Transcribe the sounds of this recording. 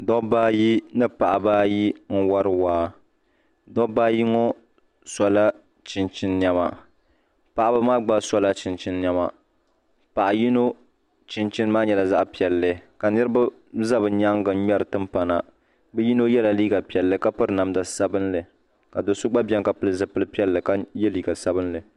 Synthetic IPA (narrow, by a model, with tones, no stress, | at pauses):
dɔ˦baː˦ji˦nɨ˦pa˨ʔa˨baː˦ji˦n̩˦wa˦ɾɨ˦waː˦ | dɔ˦baː˦ji˦ŋɔ˦ | sa˨la˦ | t͡ʃi˨nt͡ʃɪ˦nːɛ˦ma̰˨ | pa˨ʔa˨ba˦maː˦ɡ͡ba˦sɔ˦la˦t͡ʃɪ˨nt͡ʃi˦nːɛ˦ma̰˨ | pa˨ʔa˨ji˦no˦ | t͡ʃɪ˦nt͡ʃi˦n˦maː˦ɲɛ˨la˨za˦ʔpi˨ɛ˨lːɨ˨˦ka˨nɨ˦ɾɨ˦ba˦ | za˦bɨ˨ɲa˦ŋ˦ɡɨ˨˦ɲɛ˦ɾɨ˨tɨ˦mpa˨na˨ | bɨ˦ji˦no˦jɛ˦la˨liː˦ɡa˨pi˨ɛ˨lːɨ˦ka˦pɨ˦ɾɨ˦na˨mda˨sa˦bɨ˦nlɨ˨ | ka˨do˨sʊ˦ɡ͡ba˦bɛ˦ŋka˨pɨ˦lɨ˦zɨ˨pɨ˦lɨ˦pi˦ɛ˦lːɨ˨ka˦jɛ˦liː˨ɡa˨sa˦bɨ˦nlɨ˨